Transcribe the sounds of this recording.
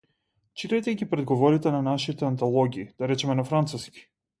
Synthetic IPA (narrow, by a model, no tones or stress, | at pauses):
t͡ʃit̪ajt̪ɛɡʲipɾɛd̪ɡɔvɔɾit̪ɛnanaʃit̪ɛant̪alˠɔɡʲiːd̪aɾɛt͡ʃɛmɛnafɾant̪suskʲi̥